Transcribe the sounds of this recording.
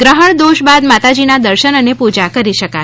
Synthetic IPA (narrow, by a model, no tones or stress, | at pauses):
ɡɾəɦəɳd̪oʃbad̪mat̪ad͡ʒinad̪əɾʃənənepud͡ʒakəɾiʃəka